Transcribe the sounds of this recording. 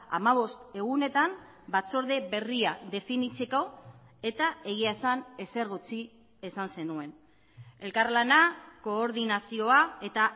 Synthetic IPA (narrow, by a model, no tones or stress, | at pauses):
a̰maβ̞o̞st̪e̞ɣ̞une̞t̪am | bat͡so̞ɾðe̞βe̞riaðe̞finit͡se̞ko̞e̞t̪ae̞ɣiaesane̞se̞ɾɣut͡si | esanse̞nue̞n | e̞lkarlanako̞ːɾð̞inasio̞ae̞t̪a